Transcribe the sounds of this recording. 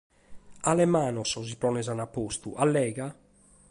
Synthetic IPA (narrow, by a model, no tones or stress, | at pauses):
alɛmaːnɔsɔzipɾɔnɛzanapːost̪ṵʔalːɛːɣa